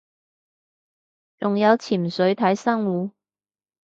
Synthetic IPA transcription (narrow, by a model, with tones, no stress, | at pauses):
t͡sʊ˨ŋjɐ˨˧wt͡sʰiː˨˩msɵ˨˥ɥt̪ʰɐ˨˥jsɐ˥ŋwuː˨˧˥